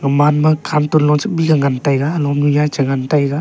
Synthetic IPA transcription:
ŋɯmanmakʰantunlɔŋsɯk̚biɡaŋantajɡalɔmnujat͡ʃaŋantajɡa

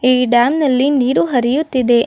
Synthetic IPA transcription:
iːɖaːmnɐlːiniːɾuɦɐɾijut̪ːid̪e̞

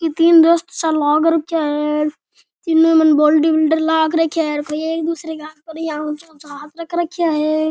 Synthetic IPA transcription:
kit̪iːnd̪oːst̪salɔːɡɾɐkʰijaɦɛ | t̪inːumənboːlʈibɪlɖəɾlaːkʰɾəkʰjaɦeɾkʰojeːkd̪uːsɾeɡaːt̪pəɾãːt͡ʃõːt͡ʃɦaːt̪ɾɐkʰɾəkʰijaɦɛː

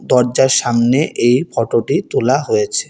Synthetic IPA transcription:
d̪ɔɾd͡ʑaɾʃamneʔejfʰɔʈoʈit̪ulaɦojet͡ɕʰe

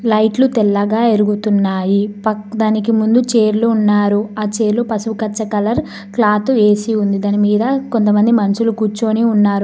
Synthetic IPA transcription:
lɐjʈlut̪ɛlːɐɡaːeɾuɡut̪unːaːjipɐd̪aːnikimund̪ut͡ʃe̞ːɾluːnːaːɾuaːt͡ʃe̞ːɾlupɐsukɐt͡ʃːɐkɐlɐɾ | klaːt̪ue̞ːsiund̪id̪aːnimiːd̪ɐko̞nt̪ɐmɐnd̪imɐnɐsulukuːt͡ʃːoːniunːaːɾu

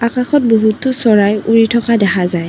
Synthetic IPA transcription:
akaxɔt̚boɦutːʊsɔɹajuɹitʰɔkadɛxazaj

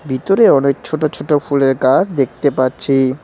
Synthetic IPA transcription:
bit̪oɾeɔnek̚t͡ɕʰoʈot͡ɕʰoʈopuleɾkad͡ʑʰd̪ek̚ʰt̪epatːɕʰi

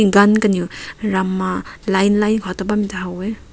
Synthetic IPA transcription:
ɡankɐniuɾamalajnlajnkʰɔtabamitʰaɦawe

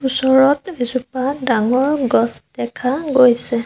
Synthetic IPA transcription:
usɔɹɔtbizupadaŋɔɹɡɔsd̥ɛkʰaɡojsɛ

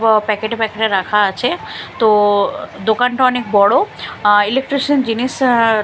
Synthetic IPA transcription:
pɛkeʈepɛkeʈeɾakʰaat͡ɕʰet̪od̪okanʈaɔnek̚bɔɽoilek̚ʈɾiʃənd͡ʑiniʃ

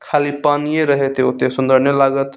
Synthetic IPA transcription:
kʰaːlipanijeɾəɦet̪eot̪esʊnd̪ʱəɾnjəlaːɡət̪

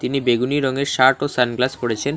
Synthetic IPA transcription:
t̪inibeɡuniɾɔŋeɾʃaʈosanɡlaspoɽet͡ɕʰen

